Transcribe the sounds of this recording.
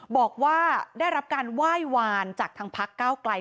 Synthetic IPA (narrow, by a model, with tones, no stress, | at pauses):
bɔː˨˩k̚waː˥˩daː˥˩jɾa˦˥p̚kaː˧nwaː˥˩jwaː˧nt͡ɕaː˨˩k̚t̪ʰa˧˥ŋpʰa˦˥kːaː˥˩wkla˧j